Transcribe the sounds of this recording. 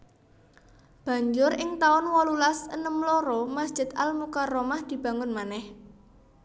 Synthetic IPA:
b̥ä̤ɲd͡ʒʊɾɪŋt̪aʊnwɔlulasənəmloɾomasd̥ʒ̥ɪ̤d̪almukaromahd̪̥i̤b̥a̤ŋʊnmanɛh

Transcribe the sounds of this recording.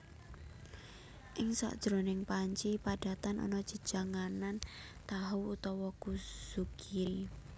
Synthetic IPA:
ʔɪŋsa̰ʔd̥ʒ̥ɾonɪŋpaɲt͡ʃipaɖ̥a̤t̪anʔɔ̰nɔ̥d͡ʒ̥ə̥ʒ̥a̤ŋanan | t̪aɦuut̪ɔwɔkusukʰiɾi

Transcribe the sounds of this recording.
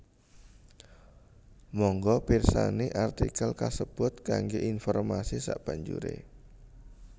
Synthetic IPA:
mɔŋɡɔpirsa̰neʔart̪ikalkasəb̥ʊt̪̚kaŋɡeʔinfɔrmasisa̰ʔb̥aɲd͡ʒṵɾḛ

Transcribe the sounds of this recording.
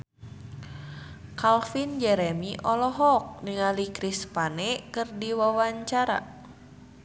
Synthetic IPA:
kalfind͡ʒɛɾɛmiʔɔlɔɦɔk̚niŋalikɾispanɛkɨrdiwawaɲt͡ʃaɾa̰

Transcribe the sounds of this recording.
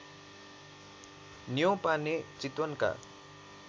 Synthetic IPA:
nijõpanet͡sit̪wʌnka̰

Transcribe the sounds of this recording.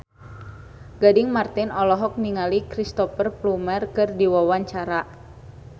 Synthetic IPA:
ɡ̥adɪŋmart̪ɪnɔlɔɦɔk̚niŋalikɾist̪ɔfərplumərkɨrdiwawaɲt͡ʃaɾa

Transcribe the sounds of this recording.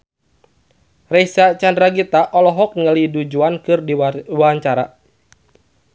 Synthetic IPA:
rɛisat͡ʃandɾaɡit̪aʔɔlɔɦɔk̚nŋəlidud͡ʒuankɨrdiwaaɲt͡ʃaɾa̰

